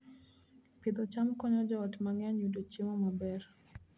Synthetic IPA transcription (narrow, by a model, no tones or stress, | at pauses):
pid̪ɔt͡ʃamkɔɲɔd͡ʒɔːtmaŋaɲudot͡ʃimɔmabɛr